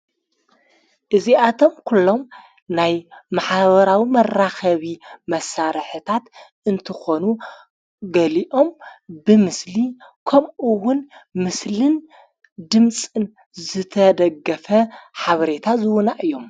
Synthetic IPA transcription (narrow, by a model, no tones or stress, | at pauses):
ʔɨziʔat̪ʰo̞mkʰulːo̞m | najmaħaβɐɾawimɐraxɐβimɐsaɾħɨt̪ʰat̪ | ɨnt̪ʰɨxo̞nu | ɡɐliʔo̞mbɨmɨslikʰɐmʔɨwʊnmɨslɨn | d̪ɨmt͡sʼɨn | zɨt̪ʰɐd̪ɐɡːɐfɐħaβɐɾe̞t̪ʰazɨwʊnaʔɨjːo̞m